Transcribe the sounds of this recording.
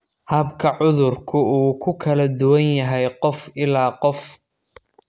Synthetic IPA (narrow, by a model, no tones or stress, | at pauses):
hɐbkʰɐʕʊðʊrkʰʊuːkʰʊkʰɐlɐd̪ʊwɐnjɐɦɛjqɔfɪlaːqɔf